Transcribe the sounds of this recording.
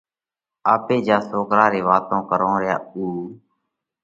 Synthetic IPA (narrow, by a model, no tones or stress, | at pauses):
aːpeːd͡ʒaːsoːkɾaːɾeːʋaːt̪õːkəɾõːɾɪja̰ːuː